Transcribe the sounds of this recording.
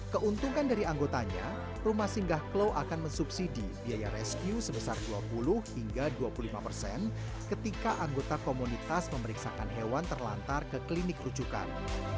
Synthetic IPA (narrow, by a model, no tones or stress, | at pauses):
kəʔunt̪uŋandaɾiaŋɡot̪aɲa̰ | rumahsiŋɡahklowʔakanmənsupsidibiajarɛskjusəbəsarduapulʊhhiŋɡaduapululimapərsɛ̰n | kət̪ikaʔaŋɡot̪akomunit̪asməməɾiksakanɦewant̪ərla̰nt̪arkəklinɪkrud͡ʒuka̰n